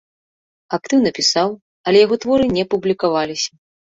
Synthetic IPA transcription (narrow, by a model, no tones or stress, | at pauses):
ak̚t̪ɨwnɐpʲisaw | ɐlʲɛjaɣɔt̪vɔɾɨnʲɛpublʲikavalʲisʲɐ